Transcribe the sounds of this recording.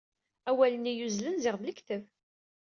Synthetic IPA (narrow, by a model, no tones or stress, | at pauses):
æwælənijuzlənzɪʁðləkt̪əv